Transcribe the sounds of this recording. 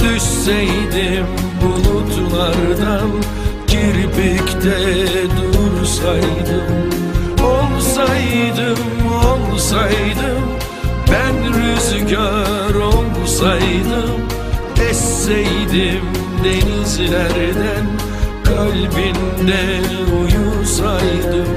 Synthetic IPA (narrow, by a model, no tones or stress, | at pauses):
d̪yʃsɛjd̪im | bunut̪ʰulˠaɾd̪an | ciɾbyct̪ʰɛd̪uɾsajd̪ɯm | olˠsajd̪ɯmalˠsajd̪ɯm | bænɾyzɟa | ɾolˠ | sajd̪ɯm | ɛsːɛjd̪im | d̪e̞nizlʲæɾd̪æn | kʰalʲbind̪ɛ | ujusajd̪ɯm